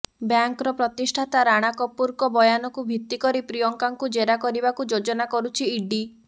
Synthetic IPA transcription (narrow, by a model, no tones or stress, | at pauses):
bjaŋkɔɾɔpɾɔt̪isʈʰat̪aɾaɽ̃akɔpuɾkɔbɔjanɔkubʱit̪ːikɔɾipɾijɔŋkaŋkud͡ʒeɾakɔɾibakud͡ʒod͡ʒɔnakɔɾut͡ʃʰiːɖi